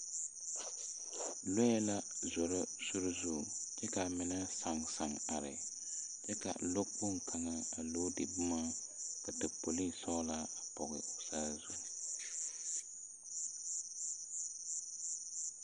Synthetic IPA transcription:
lo˦jɛ˦la˦zɔ˨ɾa˦sʊ˦ɾʊ˦zʊ˦˨t͡ʃɛ˦ka˨mɪ˨˦na˦sa˨ŋsa˨ŋa˨ɾɪ̰˨ | t͡ʃɛ˦ka̰˨lo˦k͡pʊ˦˨ŋ˨kʰa˨ŋa˦a˨lo˦dɪ̰˨bʊ˦maː˦ | ka˨tɪ˨po˨li˦sɔ˦la˦a˨pɔ˨ɣɪ̰˨ʊ˨saː˦zʊ˦˨

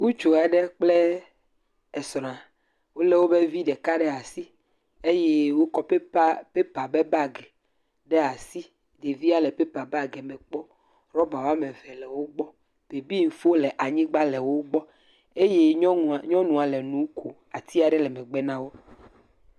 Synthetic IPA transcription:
wu˦t͡ʃo˨a˨ɖɛ˦k͡ple˦ | e˨sɔ˨nã˨ | wo˦le˦wo˦be˦vi˦ɖɛ˨ka˦ɖɛ˦a˨si˦ | e˦je˦wo˦kɔ˦ppe˦pa˨be˦ba˦ɡɛ˨ | ɖɛ˦a˨si˦ | d̪e˨vi˦a˦lɛ˨pe˦pa˨ba˦ɡɛ˨mɛ̃˨k͡pɔ˦ | ɾɔ˦ba˨wo˦a˦mẽ˨vɛ˨lɛ˨wo˦ɡ͡bɔ˦ | b̥e˨bi˦ŋ̩˨fo˦lɛ˨ʔa˨ɲĩ˦ɡ͡ba˦lɛ˨wo˦ɡ͡bɔ˦ | e˦je˦ɲɔ̃˦nũ˨a˨le˨nũ˨˦kʰo˨ | a˨t̪i˦a˨ɖɛ˦lɛ˨mɛ̃˨ɡ͡bɛ˦nã˦wo˦

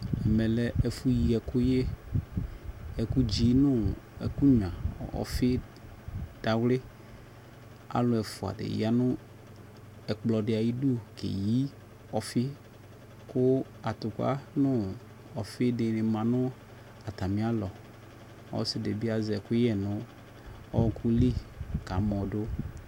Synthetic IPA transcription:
ɛ˨mɛ˨lɛ˨ɛ˨fu˦ji˨ɛ˨kʊ˦je˦ | ɛ˨ku˦d͡ʒi˦nʊ̃˦ɛ̰˨ku˦ɲ˨ã˨ɔ̰˨fɪ˦ | d̥a˨wlɪ˦ | a̰˦lʊ˨ɛ˨fʊ˨a̰˨dɪ̰˨j̰a˨˦nʊ̃˦ | ɛ˨k͡plɔ˨dɪ˨a˨ji˦du˦˨kḛ˨ji˦ | ɔ˨fɪ˦ | kʊ˦ | a˨t̪ʊ˨ka̰˦nʊ̃˦ | ɔ˨fɪ˦dɪ˨nɪ̃˨mã˨nʊ̃˦ | a˨t̪a˨mĩ˨˦a˦lɔ˨ | ɔ̰˦sɪ˨de˨bi˦a˨zɛ˨kʊ˦jɛ˨nʊ̃˦ | ɔ˦kʰʊ˦li˦ka˨mɔ̃˨dʊ˦

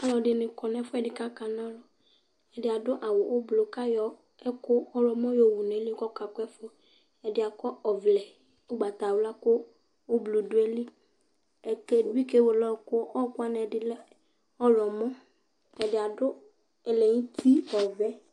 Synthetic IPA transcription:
a˨lɔ˨ɖɪ˨nɪ̃˨kɔ˨nɛ̃˨˦fʊ˦ɛ˨dɪ˨ka˦ka˨nã˦lɔ˨ | ɛ˨dɪ˨a˨dʊ˦ʔa˨wʊ˨ʔʊ˦blo˨ka˦jɔ˨ | ɛ˦kʊ˦ɔ˦lɔ˨mɔ̃˦jo˨wu˨nɛ˨˦lɪ˦kɔ˦ka˨kʊ˦ɛ˦fʊ˦ | ɛ˨dɪ˨a˨kɔ˦ɔ˨vlɛ˨ | ʊ˦ɡ͡ba˨t̪a˨wʊ˨˦la˦kʊ˦ | o˦blo˨dʊ˨˦ɛ˦lɪ˦ | ɛ˨ke˦dʊ˦i˦ke˦wo˨lɔ˦˨kʊ˦ɔ˦kʊ˦a˦˨nɛ˨dɪ˦lɛ˦ | ɔ˦lɔ˨mɔ̃˦ | ɛ˨dɪ˨a˨dʊ˦ | ɛ˨lɛ˨ɲĩ˦t̪ʰi˦ɔ˨vɛ˦

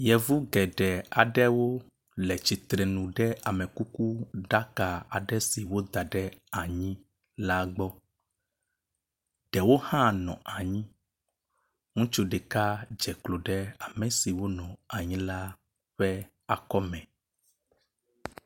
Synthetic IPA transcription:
jɛ˨vu˦ɡɛ˨ɖɛ˨a˨ɖɛ˦wo˦ | lɛ˨t͡ʃi˨t̪ɾɛ˨nũ˨ɖɛ˦a˨mɛ̃˨ku˦ku˦ɖa˦ka˨a̰˨ɖɛ˦si˨wo˦d̪a˨ɖɛ˦a˨ɲĩ˦ | la˦ɡ͡bɔ˦ | ɖ̥ɛ˨wo˦hã˦nɔ̰̃˨a˨ɲĩ˦ | ŋũ˦t͡ʃu˦ɖɛ˨ka˦d͡ʒɛ˨klo˨ɖɛ˦a˨mɛ̃˨si˨wo˦nɔ̃˨a˨ɲĩ˦la˦ | ɸɛ˦ | a˨kɔ˦mɛ̃˨

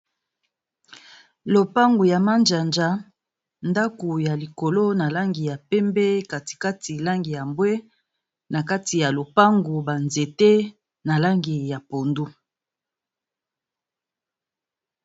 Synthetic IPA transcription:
lo˨pa˦ŋɡu˨ja˨ma˦nd͡ʒa˨nd͡ʒa˦ | nda˦ku˨ja˨li˨ko˨lo˦na˨la˦ŋɡi˨ja˨pɛ˦mbɛ˦ka˨ti̥˨ka˦ti˨la˦ŋɡi˨ja˨mbwe˦ | na˨ka˦ti˨ja˨lo˨pa˦ŋɡu˨ba˨nze˨te˦ | na˨la˦ŋɡi˨ja˨po˨ndu˦

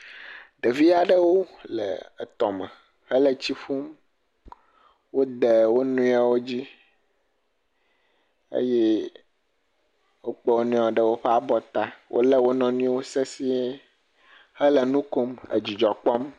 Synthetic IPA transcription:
ɖ̪ə˨vi˦a˨ɖə˦wo˦lə̰˨t̪ɔ˨mə̃˨ | hə˦lə˨t͡ɕi˦ɸu˦m | wo˦d̪ə˨wo˦nũ˦a˦wo˦d͡ʑi˦ | ə̰˦jɛ˦ | wo˦k͡pə˦wo˦nũ˦˨a˨ɖə˦wo˦ɸɛ˦a˨bɔ˨t̪a˦wʔo̰˦lə˦wo˦nɔ̃˨nũ˦o˦se˦si˦ | hə˦lə˨nũ˦ko˦mə̰˨d͡ʑi˨d͡ʒɔ˨k͡pɔ˦m

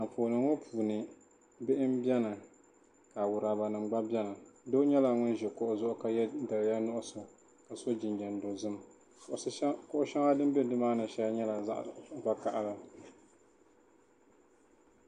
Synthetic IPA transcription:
a˨pʰoː˨nɨ˨ŋo˦pʰuː˨nɨ˨ | bɪ˦ʔɪ˦mbjɛ˦na˨ | ka˨wʊ˨ɾa˨ba˨nɨ˨mɡ͡ba˦bɛ˦na˨do˦ɲɛ˦la˨ŋʊ˦nʒɛ˨kɔ˦ʔʊ˨zʊ˦ʔʊ˦ka˨ɛ˦da˨lja˦nʊ˦ʔʊ˦so˨ | ka˨so˦d͡ʒɪ˨nd͡ʒa˨ndo˨zɨ˦m | ʔskʊ˦ʔʊ˦ʃɛ˦ŋa˦dɨ˦m˦bɛ˦dɨ˦maː˦nɨ˨ʃɛ˦ɲɛ˦la˨za̰˦ʔɡ͡ba˦ka˦ʔa˦la˨

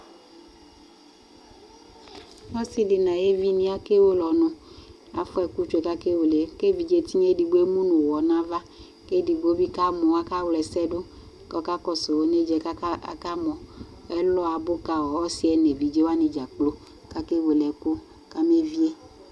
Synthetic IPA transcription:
nɔ̃˦si˦li˨nã˨je˦vi˦nĩ˦a˦ke˦wo˦lɔ˨nʊ̃˨ | a̰˨fɔ˦ɛ˨ku˦t͡ʃe˨ka˦ke˦wo˨le˨ke˦vi˨d͡ʒe˦t̪i˦ɲe˦di˨ɡ͡bo˦e˦mũ˦nũ˨wɔ˨nã˦va˦ | ke˦di˨ɡ͡bo˦bi˦ka˦mɔ̃˨wa˦ka˦wlɛ˨sɛ˦ɖo˦ | kɔ˦ka˦kɔ˦so˨wo˦ne˦d͡ʒɛ̰˨˦˨ka˦mɔ̃˨ | ɛ˦lɔ˦a˨bo˦ka˨wɔ˨ɔ˦si˦ɛ˨ne˨vi˨d͡ʒe˦wa˦ne˨d͡ʒa˨k͡plo˦ | ka˦ke˦wo˨lɛ˨ko˦ | ka˦me˦vi˦e˦

